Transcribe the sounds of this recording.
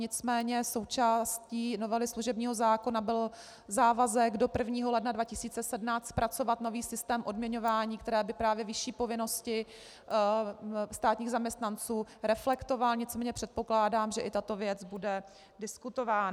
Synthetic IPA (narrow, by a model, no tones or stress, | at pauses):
ɲɪt͡smɛːɲɛso̞wt͡ʃaːsciːno̞vɛlɪsluʒɛbɲiːɦo̞zaːko̞nabɪl | zaːvazɛɡdo̞pr̩vɲiːɦo̞lɛdnadvacɪsiːt͡sɛsɛdnaːt͡st̪̚pɾʔat͡so̞vat̪no̞viːsɪst̪ɛːmʔo̞dmɲɛɲo̞vaːɲiːkt̪ɛɾɛːbɪpɾaːvjɛvɪʃiːpo̞vɪno̞scɪ | st̪aːt̪ɲiːɣzamɲɛst̪nant͡suːɾɛflɛkt̪o̞valɲɪt͡smɛːɲɛpr̝̥ɛt̪̚po̞klaːdaːmʒɛʔɪt̪at̪o̞vjɛt͡sbudɛ | dɪskut̪ovaːn